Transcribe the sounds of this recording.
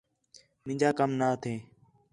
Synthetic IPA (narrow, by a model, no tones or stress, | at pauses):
mɪ̃ɲd͡ʒaːkəmnaːt̪ʰeː